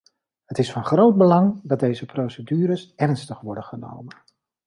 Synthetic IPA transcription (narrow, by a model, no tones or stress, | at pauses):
ɦətɪsfɑnχrowd̚bəlɑŋdɑt̚dejzəprowsədyːɾəsɛrnstəχʋɔɹdənχəno̰wmən